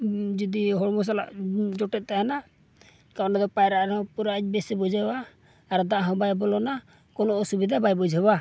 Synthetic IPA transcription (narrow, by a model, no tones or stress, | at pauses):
d͡ʒɔd̪iɦɔɽmɔs̬ala̰ʔd͡ʒɔʈɛt̪̚ˀt̪ajana | kanɛd̪ɔpajɾaʔɾɔpuɾabɛsɛbɔd͡ʒʱabaː | ɾɔd̪aʔɦɔ̃bajbɔlɔna | kɔnɔʔɔsubid̪ʱabajbɔd͡ʒʱaba